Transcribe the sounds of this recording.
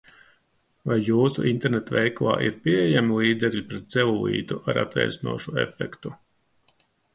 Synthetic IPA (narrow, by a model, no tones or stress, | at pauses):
vajːuːsṵʔint̪ɛɾnɛt̪vɛjklˠa̰ːʔḭɾpʲiejamilˠiːd̪zɛkʎʲipɾɛt̪sɛvulˠḭːt̪uʔaɾa̰t̪vɛ̰jsnṵɔʃuɛ̰fɛkt̪u